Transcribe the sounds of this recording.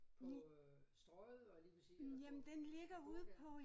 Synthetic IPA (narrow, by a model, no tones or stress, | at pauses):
pʰ | sd̥ʁɔɪð̩ˠɒliːpʰʁsijæmnd̥enle̝ɡ̥ɐuð̰ˠpʰɒ̽